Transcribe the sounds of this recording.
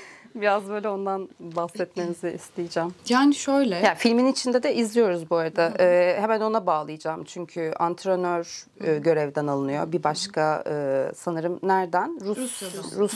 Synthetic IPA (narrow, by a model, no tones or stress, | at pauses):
biɾazbøjlʲɛo̞nd̪anbahsɛt̪menizɪʔist̪ijid͡ʒɛmjaːniʃøjlʲɛjaːfilʲminit͡ʃʰind̪ɛd̪ɛʔizlʲijo̞ɾuzbuaɾad̪aʔɯːhemæno̞nabaːlˠɯjɯd͡ʒaːmt͡ʃʰyɲcʰyant̪ʰɾenøɾ | ɯɟø̞ɾɛvd̪æɛnalˠɯnɯjo̰bibaʃkʰaɯːsanɯɾɯmnæɾd̪ænɾuɾus